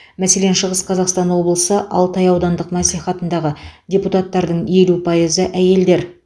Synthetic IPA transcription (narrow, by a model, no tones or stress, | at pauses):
mæse̞le̞nʃəʁəsqʰɑzɑqst̪ɑnwo̞blˠəsəʔɑ̰lˠt̪ɑjɑwd̪ɑnd̪əqmæsliχɑt̪ənd̪ɑʁədʲeput̪ɑt̪ːɑɾd̪əɴe̞lupʰɑjəzəʔæje̞ld̪e̞ɾ